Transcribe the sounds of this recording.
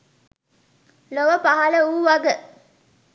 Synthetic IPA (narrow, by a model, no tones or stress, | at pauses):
loʋəpaɦɐləuːʋaɡə